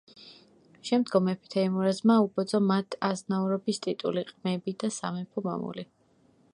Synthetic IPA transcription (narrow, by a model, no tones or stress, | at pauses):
ʃɛmd̪ɡɔmɛpʰi̥t̪ʰaimuɾazmaubɔd̪zɔmat̪ʰaznauɾɔbist̪ʼit̪ʼṵliqʼmɛbid̪asa̰mɛpʰɔma̰mṵli